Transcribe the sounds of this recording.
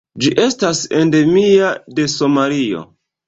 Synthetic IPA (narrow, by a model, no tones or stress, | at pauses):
d͡ʒiʔe̞stase̞nde̞miade̞so̞malio̞̰